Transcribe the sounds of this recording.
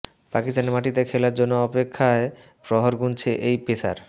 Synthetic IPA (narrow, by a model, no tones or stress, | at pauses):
pakist̪aneɾmaʈit̪ekʰelaɾd͡ʑonːoɔpekʰːae | pɾɔɦoɾɡunt͡ɕʰeʔejpesa̰ɾ